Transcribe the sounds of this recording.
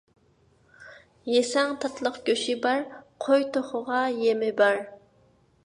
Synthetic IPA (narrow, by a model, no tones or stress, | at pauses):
jesɛŋt̪ʰɑt̪ʰlˠəqɡ̥ʲøʃɪbɑɾqʰojt̪ʰoχʊʁɑjemɪbæɾ